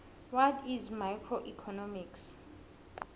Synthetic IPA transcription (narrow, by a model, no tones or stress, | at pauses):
wɔtʰizmajkʰroʔikʰɔnɔmiks